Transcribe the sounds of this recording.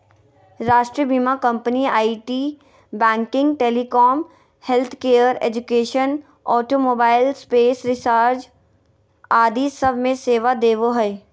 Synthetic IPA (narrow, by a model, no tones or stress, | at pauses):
ɾaːʃʈɾiəbimakə̃mpniaːiʈiː | bɛ̃ːŋkɪ̃ŋɡʈeːlikɔːm | helt̪ʰkeːəɾḛːd͡ʒʊkeːʃən | ɔːʈomoːbaːɪlspeːsɾɪsaːɾd͡ʒ | aːd̪isəbʱmẽseːʋad̪eːʋoɦɛ